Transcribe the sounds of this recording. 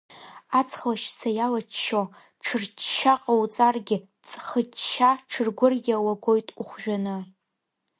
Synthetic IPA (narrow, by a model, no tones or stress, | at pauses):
at͡sʰχlaʃsʰajalat͡ʃʃo | ʈ͡ʂʰɨrt͡ʃt͡ʃaqʼawt͡sʼarɡʲɪ | t͡sʼχət͡ʃʃaʈ͡ʂʰɨrɡʷʊrjʲawaɡʷojtʼuχʷʒᶣanɨ